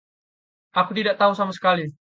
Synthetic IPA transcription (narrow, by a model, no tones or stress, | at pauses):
akut̪idaʔ̚t̪ausamasə̥kali